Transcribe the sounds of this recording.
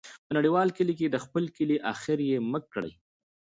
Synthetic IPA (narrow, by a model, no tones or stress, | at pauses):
pənaɽiwɑlkəlik̬ed̪əxpəlkəliʔɑxɪɾjeməkːɽə̰j